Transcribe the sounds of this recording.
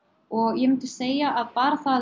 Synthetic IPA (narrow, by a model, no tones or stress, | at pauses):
ɔɣjɛmɪnt̪ɪ̥seːjaʔaðpaːɾaθað